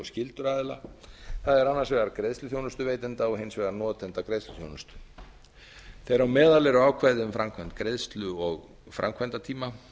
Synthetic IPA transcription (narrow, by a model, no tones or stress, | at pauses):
scɪlt̪ʏɾaːðɪla̰θaðɛɾanːaɾsvɛːɣaɾkɾeðst̪ʏθjownʏst̪ʏveːjt̪ɪnt̪aɔɣɦejnsvɛɣaɾnɔːt̪ʰɛnt̪akɾeðst̪ʏ̥θjo̰wnʏ̥st̪ʏ̥ | θejɾawmɛːðalɛɾʏaːwkʰvajðɪʏmfɾamkʰvɛjnt̪kɾeðst̪lʏɔɣ | fɾa̰mkʰvɛjnt̪at̪ʰiːma